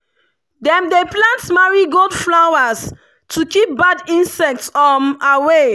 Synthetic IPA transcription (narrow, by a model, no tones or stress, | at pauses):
dɛ̃mdeplãntmaɹiɡoldflawas | tʰukip̚badĩnsɛk̚tsɔmawe